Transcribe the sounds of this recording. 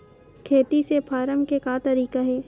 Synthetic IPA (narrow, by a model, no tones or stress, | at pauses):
kʰeːt̪isepʰaːɾəmkekaːt̪ɐɾiːkaɦɛː